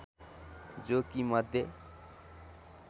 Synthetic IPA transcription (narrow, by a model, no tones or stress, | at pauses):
d͡zokimʌd̪ʱje